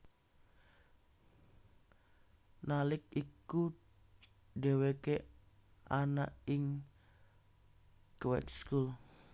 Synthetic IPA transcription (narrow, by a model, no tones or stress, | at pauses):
nalɪk̚iku | ɖewekeʔanaʔɪŋ | kwɛ̰kskul